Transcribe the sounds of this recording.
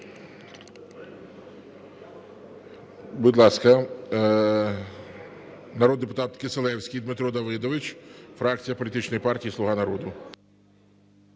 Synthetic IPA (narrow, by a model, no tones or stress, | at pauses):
bud̪lˠɑskɐ | nɐɾɔd̪d̪ːepʊt̪ɑt̪keselˠɛwsʲkʲijd̪mɪt̪ɾɔd̪ɐʋɪd̪ɔʋɪt͡ʃʲfɾɑk̚t͡sʲijɐpɔlʲit̪ɪt͡ʃnɔjipɑrtʲijisˠʊɦɑnɐɾɔd̪ʊ